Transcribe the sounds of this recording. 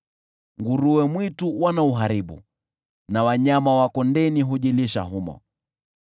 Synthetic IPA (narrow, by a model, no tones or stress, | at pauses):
ŋɡuɾuwɛmwituwanauɦaɾiɓṵ | nawaɲamawakɔndɛniɦuʄiliʃa̰ɦumɔ̰